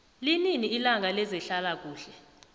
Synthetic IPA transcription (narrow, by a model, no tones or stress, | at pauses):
lininiːlaŋʱalɛzɛɬalak̬ʼuːɬɛ